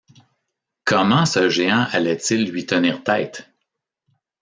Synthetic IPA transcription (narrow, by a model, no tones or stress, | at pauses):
kʰʌmɑ̃səʒeɑ̃ʔalɛt̪t͡sɪlːɥit̪əniːʁt̪ɛɪt̪